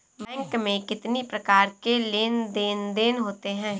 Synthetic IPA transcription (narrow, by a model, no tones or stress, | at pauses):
bɛ̃ːŋkmẽkɪt̪nipɾɐkaːɾkeleːnd̪eːnd̪eːnɦoːt̪eɦɛ̃ː